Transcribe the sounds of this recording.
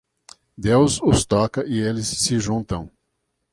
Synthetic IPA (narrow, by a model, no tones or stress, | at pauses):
d̪ewzʊst̪ɔkɐʔɪelɪsːɪʒũnt̪ɐ̃w̃